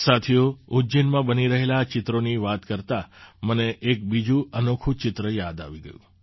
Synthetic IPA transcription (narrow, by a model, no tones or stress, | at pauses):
sat̪ʰioʊd͡ʒinmãbəniɾəɦelat͡ʃɪt̪ɾoniʋat̪kəɾt̪aməneʔek̚bid͡ʒũənokʰũt͡ʃɪt̪ɾəjad̪a̰ʋiɡəjṵ̃